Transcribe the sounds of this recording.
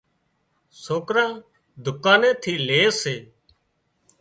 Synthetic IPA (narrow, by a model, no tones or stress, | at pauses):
soːkɾãː | d̪ʱʊkaːnẽːt̪ʰiːleːseː